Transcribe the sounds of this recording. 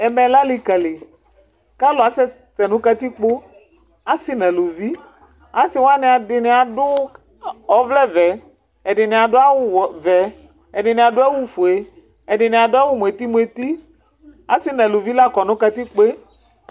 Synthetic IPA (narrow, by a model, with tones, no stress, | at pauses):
ɛ˨mɛ̃˨la˦li˨kɛ˨le˨ | ka˦lʊ˨a˨sɛ˦ | t͡sɛ˨nʊ̃˦ka˦t̪i˦k͡po˦ | a˦sɪ˦nɛ̃˨lo˨vi˦ | a˨sɪ˨˦wa˦nɪ̃˨a˨dɪ˨nɪ˨a˨dʊ˦ | ɔ˨vlɛ˦vɛ˨ | ɛ˨ɖɪ˨nɪ̃˨a˨dʊ˦a˦wʊ˦wvɛ˨ | ɛ˨ɖɪ˨nɪ̃˨a˨dʊ˦a˦wu˦fu˨e˨ | ɛ˨ɖɪ˨nɪ̃˨a˨dʊ˦a˦wʊ˦m˨e˨t̪i˦mu˨˦e˨t̪i˦ | a̰˨˦sɪ˦nɛ̃˨lo˨vi˦la˦kɔ˨nʊ̃˦ka˦t̪i˦k͡pe˦